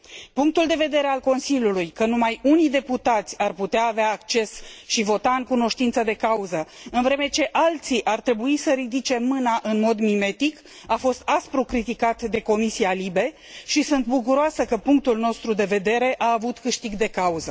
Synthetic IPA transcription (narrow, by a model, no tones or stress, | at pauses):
puŋk̚t̪uld̪e̞ve̞d̪e̞ɾe̞alko̞nsilʲjulujkənumajunijd̪e̞put̪at̪sʲarput̪eaːveaːk̚t͡ʃe̞sʃivo̞t̪aɨŋkuno̞ʃt̪int̪səd̪e̞kauzəɨnvɾe̞me̞t͡ʃe̞ʔalt̪siʔart̪ɾe̞buisəɾid̪it͡ʃe̞mɨnaʔɨnmo̞d̪mime̞t̪ik | afo̞st̪aspɾukɾit̪ikat̪d̪e̞ko̞misialibe̞ | ʃisunt̪buk̬uɾoasəkəpuŋk̚t̪ulno̞st̪ɾud̪e̞ve̞d̪e̞ɾe̞ʔaːvut̪kɨʃt̪iɡd̪e̞kauzə